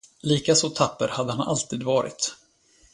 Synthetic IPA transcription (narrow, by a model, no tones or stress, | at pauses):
liːkasɔt̪ʰapːəɾhad̪ːəhanʔa̰lt̪ʰiːd̪vɑːɾɪ̰t̪